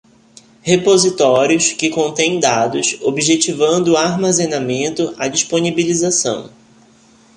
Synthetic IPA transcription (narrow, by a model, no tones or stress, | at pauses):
hepozit̪ɔɾiʊskɪkõnt̪ẽj̃d̪ad̪ʊsobiʒet͡ʃivɐ̃nd̪ʊaɾmazẽnamẽnt̪ʊʔad͡ʒiʃponibilizasɐ̰̃w̃